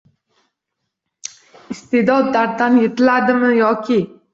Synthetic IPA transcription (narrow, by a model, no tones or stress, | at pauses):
ɪst̪ed̪ɒd̪ːaɾd̪anjet̪ʰɪlad̪ɪmɪjɒkʲʰɪ